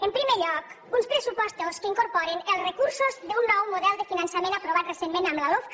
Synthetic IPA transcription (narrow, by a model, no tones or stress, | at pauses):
əmpɾimeʎɔk | unspɾəsupɔst̪oskəiŋkuɾpɔɾənəlˠzrəkuɾsozðəunːɔwmuðɛlˠd̪əfinənsəmẽnapɾoβ̞at̪rəsemmẽnamlalof